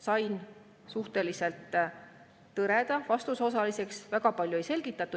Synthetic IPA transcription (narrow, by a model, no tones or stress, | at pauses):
sɑjn | suht̪e̞lise̞lt̪ː | ɤɾe̞d̪̥ɑvɑst̪uso̞s̬ɑlise̞ksvæɡ̥ɑpɑlʲjue̞jse̞lɡ̥it̪ːˑɑt̪ːˑu